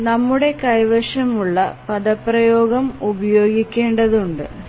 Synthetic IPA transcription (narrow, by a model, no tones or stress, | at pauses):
nɐmːuɽe̞kɐjʋɐʂɐmuɭːɐ̰pɐd̪ɐpːrɐjoːɡɐmubɐjo̞ːɡikʲːe̞ːɳɖɐðuɳɖɨ